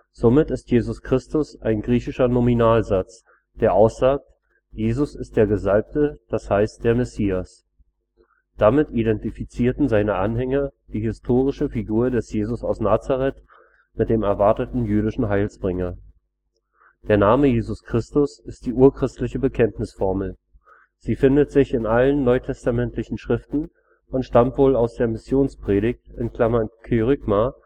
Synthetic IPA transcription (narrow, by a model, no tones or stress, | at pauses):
z̥omɪtɪstjeːzʊskʁ̥ɪstʊsʔaɪnɡʁiːçɪʃɐnominaːlzat͡s | d̥eːɐʔaʊsz̥aːk̚t | jeːzʊsɪst̚d̥eːɐɡəzalp̚təd̥ashaɪst̚d̥eːɐmɛsiːas | d̥amɪtidɛntifit͡siːɐtn̩zaɪnəʔanɦɛŋɐd̥iːhɪstʰoːʁɪʃəfiɡuːɐdɛsjeːzʊsaʊsnaːt͡saʁɛt | mɪt̚d̥eːmɛɐvaɐtətn̩jyːɾɪʃn̩ɦaɪlsb̥ʁɪŋɐ | d̥eːɐnaːməjeːzʊskʁ̥ɪstʊsɪst̚d̥iːʔuːɐkʁ̥ɪstlɪçəbəkʰɛntnɪsfɔɐml̩ | z̥iːfɪndətz̥ɪçɪnʔalənːɔʏtʰɛstamɛntlɪçn̩ʃʁ̥ɪftn̩ | ʊntʃtamtv̥oːlaʊsd̥eːɐmɪsjoːnspʁ̥eːɾɪçtɪnkl̥amɐnkʰyʁʏɡma